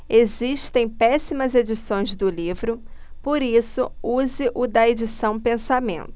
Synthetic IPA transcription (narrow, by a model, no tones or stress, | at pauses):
eziʃt̪ẽj̃pɛsimɐzed͡ʒisõj̃zd̪ʊlivɾʊpoɾisʊuzɪʔʊd̪ɐed͡ʒisɐ̃w̃pẽsamḛ̃nt̪ʊ